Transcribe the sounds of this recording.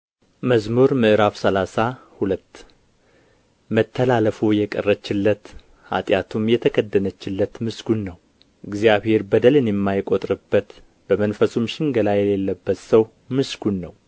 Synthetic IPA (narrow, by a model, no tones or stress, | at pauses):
məzmoɾmɨʔɨɾafsəlasahulət̪ː | mət̪ʰːəlaləfujɛkʼə̰rːət͡ʃːɪlːət̪ | ha̰t̪ʼjat̪ʰumjɛt̪ʰəkʰəd̪ːənət͡ʃːɪlːət̪mɨsɡ̥unːəw | ʔɨɡzijaβhe̞ɾbəd̪əlɨnɛmːajkʼot̪ʼɾɨbːət̪ | b̥əmənfəsumʃɪŋɡəlajɛlelːəbːət̪səw | mɨsɡunːəw